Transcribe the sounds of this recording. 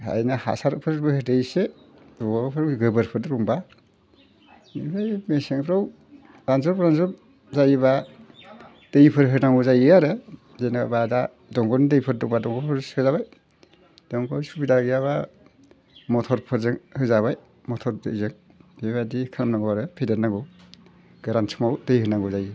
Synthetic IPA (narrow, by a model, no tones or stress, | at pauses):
a̰jnaha̰saɾpʰɯɾbɯhɯdɯjse | dɔabapʰɯɾawɡɯbɯɾpʰɯɾɯɾuŋba | mibʰɯjmeseŋpʰɾaw | ɾanzɔɾpɾanzɔ | zajβa | d̥ɯjpʰɯɾɦɯnaŋuzajiaɾɯ | zejnabada | dɔŋɡɔndɯjpʰɯɾ̚duŋbadɔŋɡɔpʰɯɾshɯzaβaj | d̥ɔŋɡɔsubidaɡijaβa | mɔtʰɔɾpʰɯɾzɯŋhɯzaβaj | mɔtʰɔɾdɯzɯŋ | eβadikʰɯɾamnaŋɡɔwaɾɯpʰedɯɾnaɡɔw | ɡ̥ɯɾansʰɯmawtɯjɦɯnaŋɡɔzajɯ